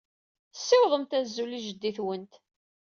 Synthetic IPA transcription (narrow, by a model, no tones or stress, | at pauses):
sːɪwðˤəmt̪æzːuliʒəd̪ːiθwənt̪